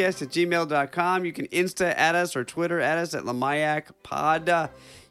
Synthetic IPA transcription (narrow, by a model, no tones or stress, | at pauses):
ɛsɨt̚d̥ʒ̥imeɪlˠdɑt̚kʰɑ̃mjɨkɨ̃nɪ̃nstɨʔɨɾʌsə˞tʰw̥ɪɾə˞ɨɾʌsɨ̰ʔˡləmaɪækpʰɑ̰d